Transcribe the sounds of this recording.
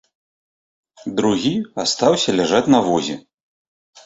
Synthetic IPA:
d̪ɾuɣʲiast̪awsʲɐlʲaʐat͡sʲnɐvɔzʲɛ̰

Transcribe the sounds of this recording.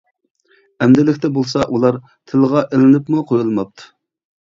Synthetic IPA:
ɛmd̪ɪlɪkʲt̪ɛbolˠsɑʔulˠɑɾ | t̪ʰɪlʁɑʔelɪnɪpmuqʰojulˠmɑp̚t̪ʰu̥

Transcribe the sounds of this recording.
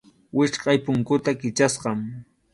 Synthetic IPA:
wɪʃqɑjpʊŋkʊt̪akɪt͡ʃasɢɑm

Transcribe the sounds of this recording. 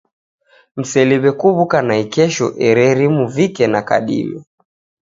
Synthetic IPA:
m̩sɛliβɛkuβukanaikɛʃɔ̰ʔɛɾɛɾimuvikɛnaka̰ɗḭlɔ

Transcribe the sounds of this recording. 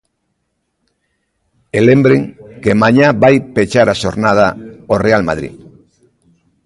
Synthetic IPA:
elẽmbɾeŋkemãɲaβajpet͡ʃaɾaʃoɾnað̞aorealma̰ð̞ɾḭ

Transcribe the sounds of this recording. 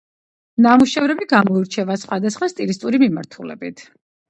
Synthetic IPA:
namuʃɛvɾɛbiɡamɔiɾt͡ʃʰɛvasχwad̪asχwast̪ʼilist̪ʼuɾimimaɾt̪ʰulɛ̰bit̪ʰ

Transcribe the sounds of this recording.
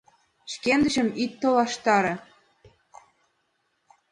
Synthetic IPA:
ʃkend̪ə̆ʒə̆mit̪ːolɑʃt̪ɑɾɤ̆

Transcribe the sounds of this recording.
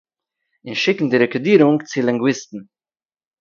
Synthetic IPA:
ɪnʃɪkn̩diɾɛkɪdiːɾʊŋkt͡sɪlˠɪŋɡwɪstn̩

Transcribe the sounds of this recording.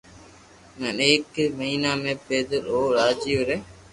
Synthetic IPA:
nəneːkməɦiːnaːmẽːpeːd̪əloːɾaːd͡ʒiːʊɾeː

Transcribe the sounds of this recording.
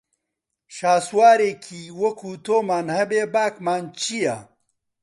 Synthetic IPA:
ʃaːswaːɾeːkʰiːwɐkʰuːt̪ʰoːmaːnhɐbeːbaːkmaːnt͡ʃʰija

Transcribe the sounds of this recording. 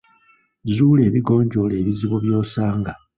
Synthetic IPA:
zuːle̞ːβiɡo̞ːɲɟo̞le̞ːβiziβoβjo̞ːsaːŋɡa

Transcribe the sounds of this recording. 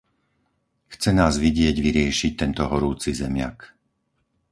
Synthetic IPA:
xt͡sɛnaːzʋiɟɪɛɟʋiɾɪɛʃic̚t̪ɛnt̪ɔɦɔɾuːt͡sizɛmɪa̰k

